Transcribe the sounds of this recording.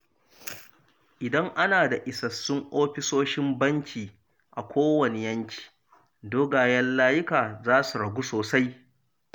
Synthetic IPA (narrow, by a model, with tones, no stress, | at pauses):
ʔɪ˨dɐ˦ŋʔa˦naː˨da˨ʔɪ˨sɐ˨sːʊ˦ŋʔoː˦ɸɪ˦soː˦ʃɪ˦mbɐ˦ŋkʲʰiː˨ | ʔa˨kʷoː˦wɐ˨ne˨jɐ˦ŋkʲʰi̥ː˨ | doː˦ɡaː˨jɐ˦nlaː˦jɪ˦kaː˨zaː˦su˨ɽɐ˨ɡʷu˦soː˨sa˦j